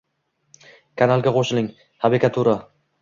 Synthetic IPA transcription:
kʰanalˠɡʲaqʰoʃɪlɪŋ | haɾɪkʲat̪ʰuɾa

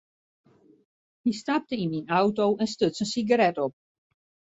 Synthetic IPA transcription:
histap̚təininawtowɛnstøtsənsiɡəɾɛtɔp̚

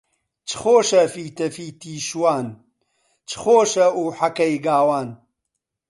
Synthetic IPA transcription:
t͡ʃʰxoːʃɐfiːt̪ɐfiːt̪ʰiːʃwaːn | t͡ʃʰxoːʃɐuːħɐkɐjɡaːwaːn

